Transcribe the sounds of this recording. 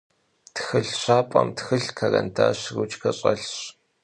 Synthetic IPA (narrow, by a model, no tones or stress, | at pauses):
txɨɮɕaːpʼɐmtxɨɬkʰarɐntʰaːɕrut͡ʃkʰɐɕʼɐɬɕ